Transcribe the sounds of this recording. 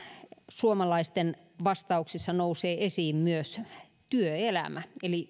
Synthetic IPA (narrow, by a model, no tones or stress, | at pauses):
suomɑlɑist̪en | ʋɑst̪ɑuksisːɑnouseːʔesiːmmyøs | t̪yøelæ̰mæeli